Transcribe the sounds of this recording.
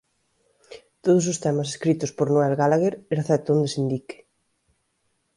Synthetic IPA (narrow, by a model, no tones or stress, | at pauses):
t̪oðʊs̬ʊst̪ɛmɐse̥skɾit̪ʊspoɾnoɛlɣalaɣeɾeɾaθɛt̪ond̪esind̪ike̥